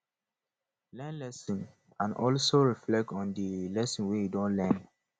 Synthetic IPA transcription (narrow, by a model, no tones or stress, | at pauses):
lɛ̃nlɛsĩn | ãnɔlsoɹiflɛk̚tɔ̃ndəlɛsĩnwejudõnlɛ̃n